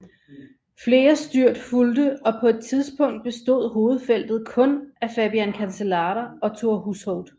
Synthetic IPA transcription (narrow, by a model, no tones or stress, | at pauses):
fle̝ːɐsd̥yɐ̰d̥fuld̥əɒ̽pʰɒ̽e̝d̥̚t͡sʰiðˠsb̥ɔ̽ŋ̰d̥̚b̥e̝sd̥o̝ð̰ˠɦo̝ːð̞̩ˠfel̰d̥ð̞̩ˠkʰɔ̽næfæb̥iænkʰænsəlɑ̈ːɾɐɒ̽t͡sʰo̝ɐhushɔʊd̥